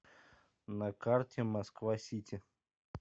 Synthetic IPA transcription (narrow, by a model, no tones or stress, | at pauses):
nɐkartʲɪmɐskvasʲitʲɪ